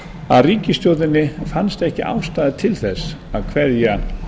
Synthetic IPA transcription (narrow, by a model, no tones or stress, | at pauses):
aðriːcɪst̪jɔwðɪnːɪfanst̪ɛhcɪʔa̰ːwst̪aːðɪt̪ʰɪlθɛsːaðkʰvɛðja